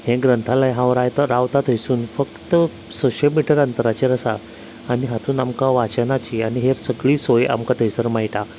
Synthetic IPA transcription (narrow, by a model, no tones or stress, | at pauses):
hẽɡɾənt̪ʰalajɦãʋɾajt̪əɾaʋt̪at̪əjsuːnfəkt̪ə | soɕəlmiʈəɾənt̪əɾat͡ɕeɾəsa | aniɦat̪uːnamkaʋat͡ɕənat͡ɕianiɦeɾsəɡɭiːsoja̰mkat̪ʰəjsəɾmaɦiʈa